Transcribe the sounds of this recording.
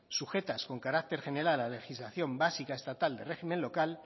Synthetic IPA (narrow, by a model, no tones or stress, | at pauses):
suxe̞t̪asko̞ŋkaɾak̚t̪e̞ɾxe̞ne̞ɾalale̞xizlaθjo̞mbasikaest̪at̪ald̪e̞re̞ximenlo̞kal